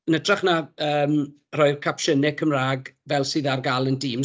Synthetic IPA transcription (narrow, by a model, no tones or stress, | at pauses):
ənədraχnaəːm | rɔːɨrkʰapʃənɪkʰəmraːɡvɛlˠsɨːðarɡalˠəndiːm